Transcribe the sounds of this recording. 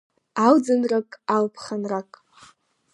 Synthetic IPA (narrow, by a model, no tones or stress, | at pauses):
awd͡zanrakʼalpʰχanrakʼ